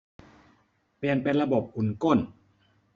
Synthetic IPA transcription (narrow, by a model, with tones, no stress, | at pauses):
pli˨˩ənpe˧nɾa˧bo˨˩p̚ʔu˨˩˦nko˥˩n